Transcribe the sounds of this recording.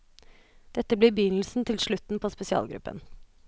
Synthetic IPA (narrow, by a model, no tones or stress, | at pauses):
d̪̥ɛt̪ːəbliːbəjʏnl̩sn̩t̪ʰɪlʂɭʉt̪n̩pʰoːspɛsɪɑ̰ːlɡɾʉ̰pːə̰n